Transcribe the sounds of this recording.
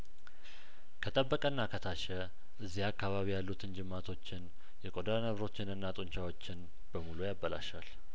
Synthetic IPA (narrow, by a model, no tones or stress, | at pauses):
kʰət̪ʼəbːəkʼənːakʰət̪ʰaʃɛ | ʔɨzːihakːaβaβijalːut̪ʰɨnd͡ʒɪmːat̪ʰo̞t͡ʃːɪn | jɛkʼod̪anəβɾo̞t͡ʃːɪnɨnːat̪ʼunt͡ʃawo̞t͡ʃːɪn | b̥əmulujabːəla̰ʃal